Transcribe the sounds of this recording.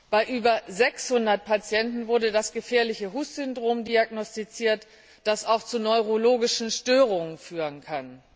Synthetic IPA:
b̥aɪʔyːbɐzɛkshʊndɐt̚pʰat͡sjɛntn̩vʊɐdədasɡ̥əfɛːɐlɪçəɦuːsz̥ʏndʁoːmdiaɡnɔstit͡siːɐt | d̥asaʊxt͡sunɔʏʁoloːɡɪʃn̩ʃtøːʁ̞ʊŋənfyːʁənkʰan

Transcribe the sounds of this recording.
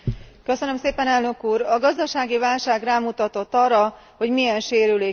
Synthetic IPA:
kø̞sønø̞mseːpɛnɛlnø̞kuːɾɒɡɒzd̪ɒʃaːɡivaːlʃaːɡraːmut̪ɒt̪o̞t̪ːɒrːɒ | ho̞ɟmijɛnʃeːɾyleː

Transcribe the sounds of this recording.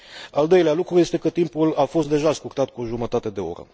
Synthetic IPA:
ald̪o̞jlealukɾuje̞st̪e̞kət̪impulafo̞st̪̚d̪e̞ʒaskut̪at̪̚kuoʒumət̪at̪e̞d̪e̞o̞̰ɾə̰

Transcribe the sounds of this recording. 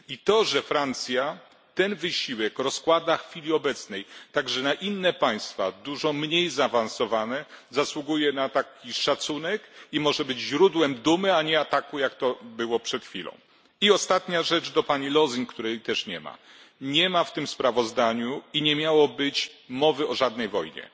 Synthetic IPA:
it̪ɔʐɛfɾant̪sʲja | t̪ɛnvɘɕiwɛkɾɔskwad̪axfʲilʲiɔbɛt̪snɛjt̪aɡʐɛnaʔinːɛpaj̃st̪fa̰d̪uʐɔmɲejzaːvãnsɔvanɛzaswuɡujɛnat̪akʲiʂat̪sunɛkimɔʐɛbɘd͡ʑʑɾud̪wɛmd̪umɘaɲɛat̪akujakt̪ɔbɘwɔpʂɛt̪xfʲilɔ̰̃w̃ | iɔst̪at̪ɲaʐɛt͡ʂd̪ɔpaɲilɔziŋkt̪uɾɛjt̪ɛʂɲɛma̰ | ɲɛmaft̪ɘmspɾavɔzd̪aɲuiɲɛmʲjawɔbɘt͡ɕmɔvɘɔʐad̪̚nɛjvɔjɲɛ̰

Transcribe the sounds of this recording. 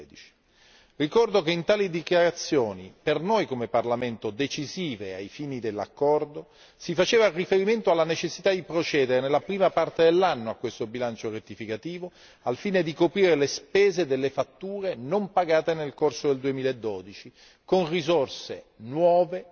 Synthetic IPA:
d̪it͡ʃi̥ | rikɔrd̪okeint̪aːlid̪ikjaɾat̪sːjoːnḭpernojkomeparlament̪od̪et͡ʃiziːvea̰jfiːnid̪elːa̰kːɔrd̪o | sifat͡ʃeːvarifeɾiment̪oalːanet͡ʃesːit̪ad̪ipɾot͡ʃɛːd̪eɾenelːapɾiːmapart̪ed̪elːanːoakːwest̪obilant͡ʃoret̪ːifikat̪iːvo | alfiːned̪ikopɾiːɾelespɛːzed̪elːefat̪ːuːɾenompaɡaːt̪enelkorsod̪eld̪uemiːlaed̪ːɔːd̪it͡ʃi | konrizorsenwɔːve

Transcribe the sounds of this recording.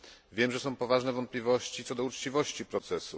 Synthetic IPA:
vʲjɛmʐɛsɔ̃w̃pɔvaʐnɛvɔnt̪̚plʲivɔɕt͡ɕit̪sɔd̪ɔut͡ʂt͡ɕivɔɕt͡ɕipɾɔt̪sɛsu

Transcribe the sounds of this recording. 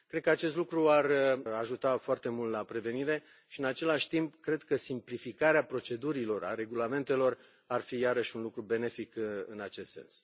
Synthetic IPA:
kɾed̪̚kəat͡ʃe̞s̬t̪lukɾuaraʒut̪afoart̪e̞mult̪lapɾe̞ve̞niɾe̞ | ʃiɨnat͡ʃe̞laʃʲt̪impkɾe̞d̪kəsimplifikaɾeapɾo̞t͡ʃe̞d̪uɾilo̞ra̰ɾe̞ɡulame̞nt̪e̞lo̞r | arfijaɾəʃʲunlukɾube̞ne̞fikɨ̰nat͡ʃe̞st̪se̞̰ns

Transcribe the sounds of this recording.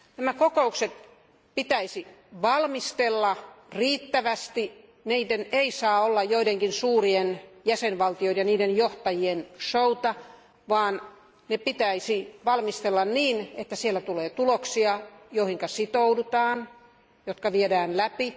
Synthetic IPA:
næmækokoukset̪ | pit̪æisiʋɑlmist̪elːɑriːt̪ːæʋæst̪i | niːdeneisɑːolːɑjjoideŋkinsuːrienjæsenʋɑlt̪ijoinjɑniːdenjoht̪ɑjienʃout̪ɑ | ʋɑːn | nepit̪æisiʋɑlmist̪elːɑnniːnet̪ːæsielːæt̪uleːt̪uloksiɑjoihiŋkɑsit̪oudut̪ɑːn | jot̪kɑʋiedæːnlæpi

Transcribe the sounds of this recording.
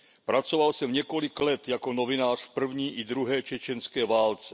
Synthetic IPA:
pɾat͡sovalsɛmɲɛko̞lɪklɛt̪jako̞no̞vɪnaːr̥fpr̩vɲiːʔɪd̪ɾuɦɛːt͡ʃɛt͡ʃɛnskɛːvaːlt͡sɛ

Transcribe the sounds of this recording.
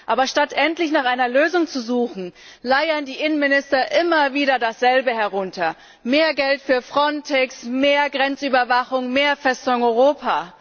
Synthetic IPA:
ʔaːbɐʃtatʔɛntlɪçnaːχʔaɪnɐløːzʊŋt͡suzuːχn̩ | laɪɐndiːʔɪnənmɪnɪstɐʔɪmɐviːɾɐdasz̥ɛlbəhɛɐʁ̞ʊntɐ | meːɐɡɛltfyːɐfʁ̥ɔntʰɛksmeːɐɡʁɛnt͡syːbɐvaχʊŋmeːɐfɛstʊŋŋɔʏʁoːpʰaː

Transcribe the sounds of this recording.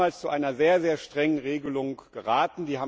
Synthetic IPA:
aːlst͡suʔaɪnɐzeːɐzeːɐʃtʁ̥ɛŋənʁeːɡəlʊŋɡ̥əʁaːtn̩diːhaː

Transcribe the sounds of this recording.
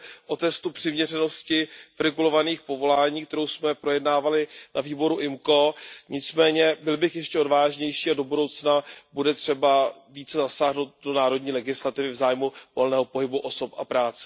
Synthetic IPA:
ʔo̞t̪ɛst̪upr̝̥ɪmɲɛrɛno̞scɪfɾɛɡulo̞vaniːxpo̞vo̞laːɲiːkt̪ɛɾo̞wsmɛpɾo̞jɛdnaːvalɪnʔaviːbo̞ɾuʔɪmko̞ɲɪt͡smɛːɲɛbɪlbɪxjɛʃcɛo̞dvaːʒɲɛjʃiːado̞budo̞wt͡snabudɛt̪r̝̥ɛbaviːt͡sɛzasaːɦnowt̪̚do̞naːɾo̞dɲiːlɛɡɪslat̪ɪvɪvzaːjmuvo̞lnɛːɦo̞po̞ɦɪbuʔo̞so̞pʔa̰pɾaːt͡sɛ̥

